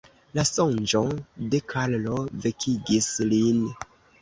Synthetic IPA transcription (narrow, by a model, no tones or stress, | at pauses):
lasond͡ʒode̞kʰallovekʰiɡislin